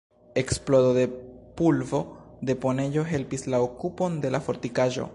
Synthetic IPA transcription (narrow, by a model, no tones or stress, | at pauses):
e̞ksplodo̞de̞pulvo̞d̪e̞po̞ne̞jo̞ɦe̞lpislaokupo̞nde̞lafo̞ɾtikaʒo̞̰